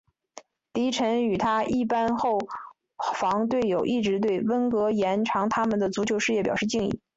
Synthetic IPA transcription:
t̪i˧˥ʈ͡ʂʰə˧˥ny˨˩t̪ʰa˥i˥˩pa˥nxo˥˩ʊ | fɑ˧˥ŋt̪̬we˥˩ɪjo˨˩ʊʔi˥˩ʈ͡ʂɻ̩˧˥t̪̬we˥˩ɪwə˥nkɤ˧˥jɛ˧˥nʈ͡ʂʰɑ˧˥ŋt̪ʰa˥mə˨nd̪ə˩t͡su˧˥t͡ɕʰjo˧˥ʊʂɻ̩˥˧jɛ˥˩pjɑ˨˩ʊʂɻ̩˥˧t͡ɕi˥˧ŋḭ˥˩

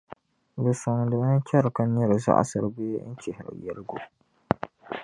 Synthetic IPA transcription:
bɨ˨sʊ˨ŋdɨ˨ba˦n˦t͡ʃɛ˦ɾɨ˨ka˦nɛ˦ɾɨ˨za̰˦ʔa̰˦sɨ˨ɾɨ˦beː˦n̩˦t͡ʃɛ˨hɪ˨ɾɨ̰˨jɛ˦ɾɨ˦ɡo˨

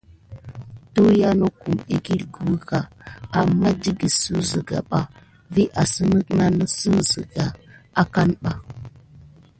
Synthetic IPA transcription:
to˦ja˦no˦ku˨me˨ɡi˦ɾɡu˦ka˨a˨mːa˦di˦ɡi˨su˦zə˨ɡa̰˨ɓa˨ | vi˦ʔa˨sə˦nə˦kna˦nə˨su˦zə˨ɡa˨a˦ka˦nɓa˨

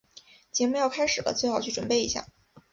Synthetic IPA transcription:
t͡ɕjɛ˧˥mu˧˥jɑ˥˧ʊkʰa˥ɪʂɻ̩˨˩lə̰˦t͡swe˥˩ɪxɑ˨˩ʊt͡ɕʰy˥˩ʈ͡ʂwə˨˩npe˥˩ɪḭ˧˥ɕja̰˥˩

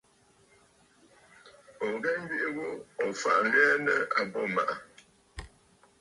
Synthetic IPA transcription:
ɡɛ˦m̩˦bi˦ʔi˦ɣo˦ɔ˨fa̰˦˨ʔlɥɛ˦nə˦a˨bɔ˦˨ma˨ʔa˨

